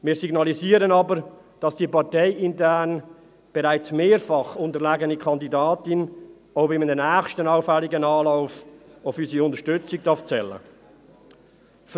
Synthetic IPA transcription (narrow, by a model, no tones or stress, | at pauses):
miːsiɡnɑliziːɾənɑːbəɾ | d̥ɑsd̥iːpʰɑʁteɪʔɪntɛn | b̥eʁaɪt͡smeːɾfɑχʊntəɾlæːɡənikʰɑndidɑːtɪn | abɪmnənæːxʃtənaʊfɛlːɪɡənɑːlaʊfaʊfyːsiʊntəʃtʏt͡sɪɡ̚d̥ɑft͡sɛlːə̰ | f